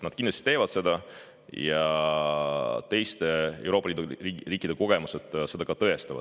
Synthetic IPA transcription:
nɑd̪̥kinlɑst̪i̥t̪e̞ːvɑd̪̥se̞d̪̥ɑ | jɑ | t̪e̞jst̪e̞ewɾo̞pːɑliːd̪uiriːkːˑid̪̥e̞ko̞ɡ̥e̞muse̞d̪̥se̞d̪̥ɑkɑt̪ɤest̪ɑvɑ̰̥

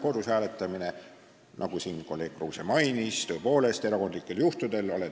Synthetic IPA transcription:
ko̞d̪̥ushæːle̞t̪ːˑɑmine | nʔɑ̰ɡ̥usinko̞lːe̞ːk̚kruːsemɑjnist̪øepo̞ːle̞st̪e̞ɾɑko̞nd̪likːˑe̞ljuht̪ud̪̥e̞lole

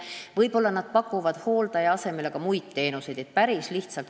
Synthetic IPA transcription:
vɤjpo̞lːɑnɑd̪̥̚pɑkːˑuvɑd̪̥ho̞ːld̪̥ɑjɑɑse̞me̞le̞ɡ̥ɑmujd̪̥̚t̪e̞ːnuse̞jd̪̥e̞t̪̚pæɾisliht̪sɑlt̪

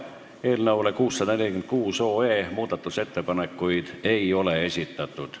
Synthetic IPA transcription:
eːlnɑwlekuːsːɑd̪ɑnelikymt̪̚kuːso̞ːeːmuːd̪̥ɑt̪ːˑuse̞t̪ːepɑnekːujd̪̥e̞jo̞leesʲit̪ːɑt̪ːˑud̪̥

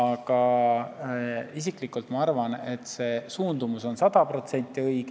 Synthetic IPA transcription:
ɑɡ̥ɑ | isiklikːˑult̪mɑɑrvɑne̞t̪se̞ːsuːnd̪umuso̞nsɑd̪̥ɑpro̞t̪se̞nʲt̪ːˑiɤjɡ

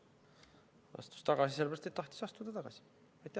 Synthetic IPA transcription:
ɑ̰st̪u̥st̪ɑɡɑsiselbæɾst̪et̪t̪ɑht̪i̥sɑst̪ud̪ɑt̪ɑɡ̥ɑ̰si̥ | ɑjt̪ːæ

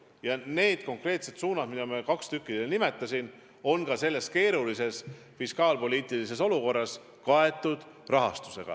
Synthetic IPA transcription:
jɑne̞ːd̪̥ko̞ŋkre̞ːt̪se̞t̪suːnɑd̪̥mid̪̥ɑmiɑkɑkst̪ykːid̪elenime̞t̪ːˑɑsʲin | o̞nkɑse̞lːe̞s̚ke̞ːɾulise̞s | fiskɑːlpo̞lʲiːt̪ˑilise̞s̬o̞luko̞rːɑs | kɑe̞t̪ːˑud̪̥ | rɑɦɑ̰st̪u̥se̞̰ɡ̥ɑ̰

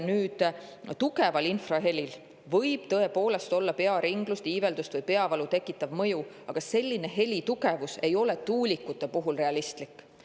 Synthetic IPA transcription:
nyːd̪̥t̪uɡe̞vɑlinfrɑɦe̞lʲil | vɤ̞jb̥t̪ɤ̞e̞po̞ːle̞st̪o̞lːɑpe̞ɑɾiŋɡlust̪iːve̞ld̪ust̪vɤjpe̞ɑvɑlut̪e̞kːˑit̪ːˑɑvmɤju | ɑɡ̥ɑse̞lʲːine̞ɦe̞lʲit̪uɡ̥e̞vuse̞jo̞le̞t̪uːlʲikːˑut̪ːˑe̞puɦulre̞ɑlist̪likːˑ

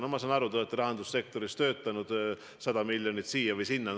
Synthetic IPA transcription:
nomɑs̬ɑːnɑɾut̪oet̪ːˑeɾɑɦɑnd̪̥usːe̞k̚t̪o̞ɾist̪ø̞ːt̪ːˑɑnud̪̥ | sɑd̪̥ɑmilʲːjonit̪siːjɑvɯjsinːe

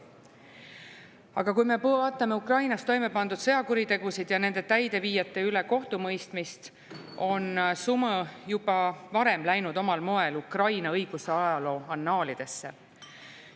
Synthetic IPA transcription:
ɑɡ̥ɑkujme̞pɑt̪ːˑɑme̞ukrɑjnɑst̪o̞jme̞pɑnd̪ud̪̥sɤ̞jɑkuɾid̪e̞ɡ̥usid̪̥jɑne̞nd̪̥e̞t̪æjd̪̥e̞viːjɑt̪ːˑe̞yle̞ko̞ht̪umɤjst̪mist̪ | o̞nsuməjub̥ɑvɑɾe̞mlæjnud̪o̞mɑlmoe̞lukrɑjnɑɤjɡ̥useɑjɑlo̞ːɑnːɑːlid̪̥e̞sːe̞

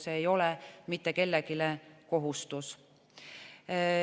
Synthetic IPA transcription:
seːjo̞lemit̪ːˑe̞ke̞lːeɡileko̞ɦust̪us

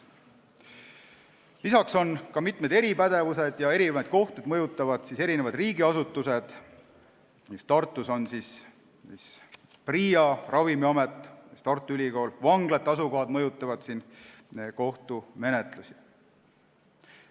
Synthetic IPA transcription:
lisɑkso̞nkɑmit̪ˑme̞d̪eɾipæd̪̥e̞vuse̞d̪̥jɑe̞ɾinvɑd̪̥̚ko̞ht̪ud̪mɤjut̪ˑːɑvɑd̪̥sise̞ɾine̞vɑd̪riːɡiɑsut̪ːˑuse̞d̪̥ | mist̪ɑrt̪ˑːuso̞nsis | is | priːjɑrɑvimiɑmet̪ːˑist̪ɑrt̪ːˑuylʲiko̞ːlvɑŋɡlet̪ːˑɑsuko̞ɦɑd̪̥mɤjut̪ˑːɑvɑd̪̥sin | nko̞ht̪ume̞ne̞t̪lusi

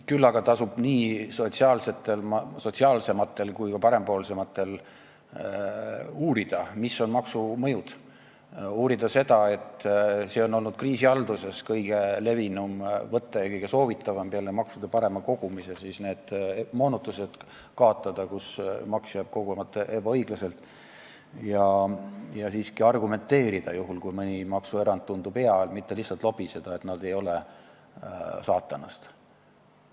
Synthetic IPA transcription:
kylːɑɡ̥ɑt̪ɑsub̥niːso̞t̪siɑːlse̞t̪ːˑe̞lmɑso̞tʲsiɑlse̞mɑt̪ːˑe̞lkujkɑpɑɾe̞mpo̞ːlse̞mɑt̪ːˑe̞l | uːɾid̪̥ɑmisːo̞nmɑksumɤjud̪̥ | uːɾid̪̥ɑse̞d̪ɑe̞t̪ːse̞ːo̞nːo̞lnud̪̥̚kriːsiɑld̪̥use̞skɤjɡ̥e̞le̞vinumvɤt̪ːˑɑjɑkɤjɡ̥e̞so̞ːvit̪ːˑɑvɑmpeɑlemɑksud̪epɑɾe̞mɑko̞ɡ̥umise̞siːsne̞ːd̪̥mo̞ːnut̪ːˑuse̞d̪̥ | kɑːt̪ˑːɑd̪̥ɑkusmɑksjɑb̥̚ko̞ɡumɑt̪ˑːeʔebɑɤjɡ̥lɑse̞lt̪ˑ | jɑ | jɑsiːskiɑrɡume̞nt̪ːe̞ːɾid̪̥ɑjuɦulkujmɯnʲimɑksue̞ɾɑnd̪̥̚und̪upe̞ɑlmit̪ːe̞lihsːɑlt̪lo̞b̥ise̞d̪̥ɑe̞t̪nɑd̪̥e̞jo̞le | sɑːt̪ːˑɑnɑst̪

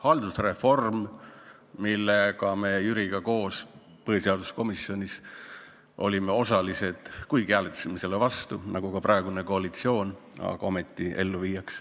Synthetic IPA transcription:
hɑld̪usre̞fo̞rm | milːekɑmejyɾiɡ̥ɑko̞ːs | pɤhjuseɑd̪̥u̥sko̞misio̞nʲis | ʔo̞̰lʲime̞o̞sɑlise̞d̪̥kujɡkiæːlet̪ːsemise̞levɑst̪unɑɡ̥ukɑprɑe̞ɡune̞ko̞ɑlit̪sio̞ːn | ɑ̰ɡ̥ɑo̞met̪ːˑiʔe̞lːuviːjɑks

